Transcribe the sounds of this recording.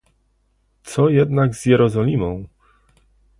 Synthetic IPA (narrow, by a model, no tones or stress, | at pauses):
t̪sɔjɛd̪naɡz̥jɛɾɔzɔlʲimɔ̃w̃